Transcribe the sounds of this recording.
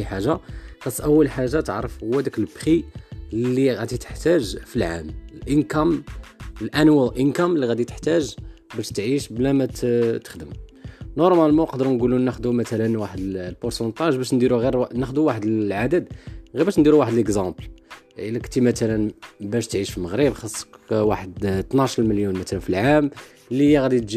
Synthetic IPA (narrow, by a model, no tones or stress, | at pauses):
ħaʒːaxɑsˤːʔəwːəlħaʒːat̪əʕɾəfhʊwːæd̪ækəlbxilːiɣæd̪it̪ə̥ħt̪æʒfilʕa̰məlʔənkæm | lʔænwæʔənkæmlːiɣæd̪it̪ə̥ħt̪æʒ | bæʃt̪ʕiʃblæmæt̪t̪ə̥xd̪əmnoɾˤmælmɑqɑd̪əɾnɡulunːæxd̪umæt̪ælənwaħəd̪lpʊɾsɑnt̪ˤɑʒbæʃ̬nd̪iɾuɣiɾnæxd̪uwaħəd̪əlʕad̪əd̪ɣiɾbæʃnd̪iɾuwaħəd̪ələkzɑ̃blʔəlækt̪imæt̪ælənbæʃt̪ʕiʃfilməɣɾəbxɑsˤːə̥kwaħəd̪t̪nɑʃɾməljunmæt̪ælənfilʕam | lijæɣæd̪it̪ʒ